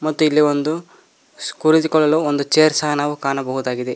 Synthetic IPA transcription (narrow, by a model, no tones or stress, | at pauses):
mɐt̪ːuilːiond̪u | skuɾit̪ikɔɭːɐluːond̪ut͡ʃeːɾsaɦɐnaːʋukaːnɐbɐɦud̪aːɡid̪e